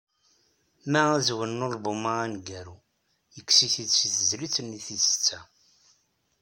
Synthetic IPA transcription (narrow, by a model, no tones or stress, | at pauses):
mææzwənːolbʊmaænɡæɾu | jəkːsiθid̪siθəzlit͡sːənːiθisə̥t͡sːæ